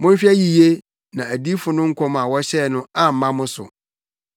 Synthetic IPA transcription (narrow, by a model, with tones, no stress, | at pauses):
mʊ̃˦n˦fi˦æ˦ji˨je˦ | nã˨æ˨di˦fʊ˨nʊ̃˦ŋ̩˦kʰɔ˦m˨ã˨wɔ˦ɕɛ˦˨nʊ̃˦a˨m̩˨mã˦mʊ̃˦sʊ̰˨